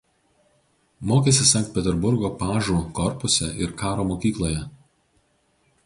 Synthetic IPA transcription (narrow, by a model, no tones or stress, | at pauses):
moːkʲeːsʲɪsɑˑŋʲkt̪pʲɛt̪ʲɛɾbʊɾɡoːpɑːʒuːkɔɾpʊsʲɛʔɪɾkɑːɾoːmoːkʲiːklˠoːjɛ